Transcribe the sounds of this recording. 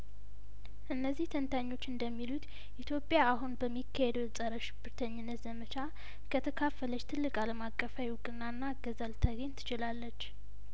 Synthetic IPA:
ʔɨnːəzːiht̪ʰənt̪ʰaɲːo̞t͡ʃːɨnd̪əmːilut̪ | ʔit̪ʰjo̞pʼːjaːɦunbəmːikʰːahed̪wɛsʼəɾəʃɪ̥bɨɾt̪ʰəɲːɪnːət̪zəmət͡ʃʰa | kʰət̪ʰəkʰafːələt͡ʃːt̪ʰɨlːɨkʼaləmakʼːəfajwukʼɨnːanːaɡəzəlt̪ʰəɡəɲt̪ʰɨ̥t͡ʃɪlalːət͡ʃː

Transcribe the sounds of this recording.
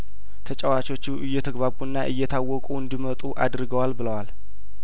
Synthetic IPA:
t̪ʰət͡ʃʼɛwat͡ʃo̞t͡ʃːuʔɨjːɛt̪ʰəɡβaβunːaʔɨjːɛt̪ʰawːɔkʼuɨnd̪imət̪ʼuʔad̪ɾɨɡəwalbɨləwal

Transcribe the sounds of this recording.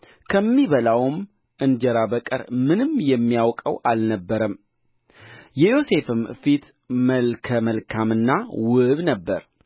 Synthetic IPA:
kʰəmːiβəlawm | ʔɨnd͡ʒɛɾabəkʼɨ̰ɾmɨnɨmjɛmːijawkʼə̰wʔalnəbːəɾəm | jɛjo̞se̞fɨmfit̪ | məlkʰəməlkʰamɨnːawɨβnəbːəɾ

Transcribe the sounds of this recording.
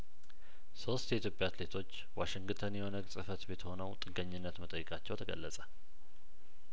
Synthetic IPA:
so̞st̪jɛit̪jo̞pʼjaat̪le̞t̪ʰo̞t͡ʃːwaʃɪŋɡt̪ʰənjɛho̞nəɡsʼɨfət̪bet̪ʰəho̞nəwt̪ʼɨɡəɲːɪnːət̪mət̪ʼəjːɪkʼat͡ʃːɛwt̪ʰəɡə̰lːəsʼə̥

